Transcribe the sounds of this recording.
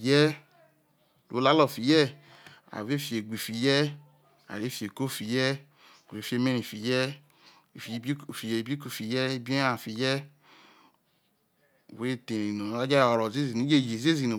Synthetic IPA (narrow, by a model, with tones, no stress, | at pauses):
jɛ˦˨ | lʔo̰˨˦la˨˦lɔ˦˨fi˨jɛ˦ | a̰˨ve˦fi˨e˨ɡ͡bi˨fi˨jɛ˦ | a̰˨e˨˦fi˨e˨ko˦˨fi˨jɛ˦˨ | u˨e˨˦fe˧me˦ɾi˨fi˨jɛ˦˨ | fi˨˦˨fi˨je˨˦bi˦ku˦˨fi˨jɛ˦bi˦e˦a˨fi˨jɛ˦ | ṵ˨we˦˨te˨ɾi˨no˨a˦d͡ʒa˦˨ɔ˨ɾɔ˨ze˦zi˨nu˨˦d͡ʒe˦˨je˨ze˦zi˨no˨